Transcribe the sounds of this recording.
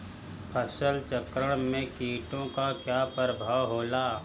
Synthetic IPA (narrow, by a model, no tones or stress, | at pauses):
pʰəsəlt͡ʃəkɾəɽ̃mẽkiːʈõkakjaːpɾəbʱaːwɦoːlaː